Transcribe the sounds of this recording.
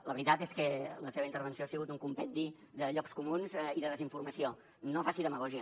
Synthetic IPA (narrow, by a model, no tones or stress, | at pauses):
ləβɾit̪at̪eskələseβəint̪əɾβ̞ənsioasiɣut̪uŋkumpɛnd̪i | ðəʎɔkskumunziðəðəziɱfurməsio | nofasiðəməɣɔʒiə